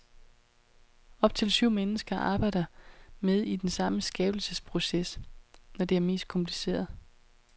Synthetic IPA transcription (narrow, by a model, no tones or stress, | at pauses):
ɒ̽b̥̚t͡sʰe̝lsyʊ̰menəsɡ̥ɐʔɑ̈ːb̥ɑ̈ɪ̰d̥ɐmeð̞ˠid̥ensɑ̈məsɡ̥ɛːb̥l̩səspʰʁo̝sesnɒd̥e̝æɐme̝̰ːsd̥̚kʰɒ̽mpʰlise̝̰ːɐð̞ˠ